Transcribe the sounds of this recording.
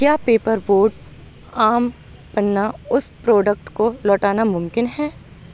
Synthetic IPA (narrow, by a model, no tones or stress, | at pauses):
kjaːpeːpəɾboːɾɖ | aːm | pɐnːaʊspɾɔːɖək̚ʈkolɔːʈaːnamʊ̃mkɪnɦɛː